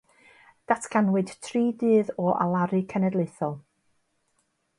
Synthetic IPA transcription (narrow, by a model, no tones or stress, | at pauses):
d̥atʰkʰanwɨd̥tʰriːdɨːðɔʔa̰lˠaɾɨkʰɛnɛdlˠɪθɔlˠ